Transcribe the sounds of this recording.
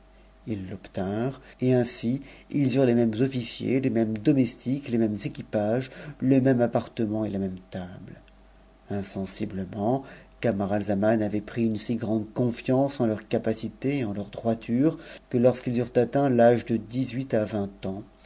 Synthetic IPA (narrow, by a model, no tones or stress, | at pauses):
ilːɔpt̪ɛ̃ʁeɛ̃siilzyʁlemɛmzɔfisjḛlemɛmd̪ɔmɛst̪iklemɛmzekʲipaʒləmɛmapaʁt̪əmɑ̃elamɛmt̪abl | ɛ̃sɑ̃sibləmɑ̃kamaʁalzamanavɛpχiynsiɡʁɑ̃d̪kɔ̃fjɑ̃sɑ̃lœʁkapasit̪eeɑ̃lœʁd̪ʁwat̪ʰyʁkəlɔʁskilzyʁt̪at̪ɛ̃laʒd̪əd̪izɥit̪avɛ̃t̪ɑ̃